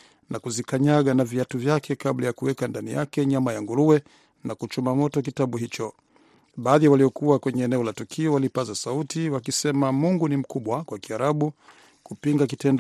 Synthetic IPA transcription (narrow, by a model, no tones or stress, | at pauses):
nakuzikaɲaɠanaviatuvjakʰɛkaɓlajakuwɛkandanijakɛɲamajaŋɡuɾuwɛ | nakut͡ʃumamɔtɔk̬itaɓuɦit͡ʃɔ | ɓaːðiawaliɔkuwakwɛɲɛːnɛɔlatukʰiɔwalipazasautiwakisɛmamuŋɡunim̩kuɓwakwakiaɾaɓu | kupiŋɡak̬itɛnd